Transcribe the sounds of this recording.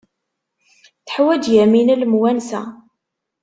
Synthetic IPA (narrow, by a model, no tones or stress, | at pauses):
θə̥ħwæd͡ʒjæminæləmwænsæ̰